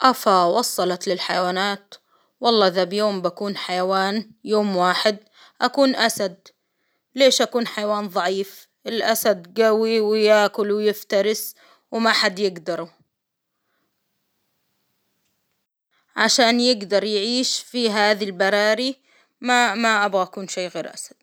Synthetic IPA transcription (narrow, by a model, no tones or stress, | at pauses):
ʔafawɑsˤːɑlɑt̪lɪlħajawaːnaːt̪ | wɑlˤːɑːʔðabjoːmbakuːnħajawaːnjoːmwaːħɪd̪̚ | ʔakuːnʔasad̪̚ | leːʃʔakuːnħajawaːnðˤɑʕiːf | ʔɪlʔasad̪ɡawiwjaːkʊlwjɪft̪ɑɾɪs | wmaħad̪jɪɡd̪ɑɾˤu | ʕaʃaːnjɪɡd̪ɑɾˤjʕiːʃfiɦaːðilbɑɾˤɑːɾi | mamaʔabɣaʔakuːnʃeːɣeːɾʔa̰sad̪̥̚